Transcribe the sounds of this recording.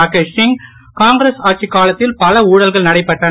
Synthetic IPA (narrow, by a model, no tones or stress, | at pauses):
akɐʂɪŋ | kaːŋɡɪɾesaːʈ̚t͡ʃikːaːlɐt̪ːɪlpɐlɐuːɽɐlɣɐɭnɐɽɐɪpːɐʈːɐ